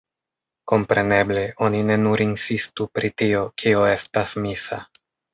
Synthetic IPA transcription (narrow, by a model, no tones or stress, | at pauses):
ko̞mpɾe̞ne̞ble̞ʔo̞nine̞nuɾinsistupɾitio̞kʰio̞e̞stasmisa̰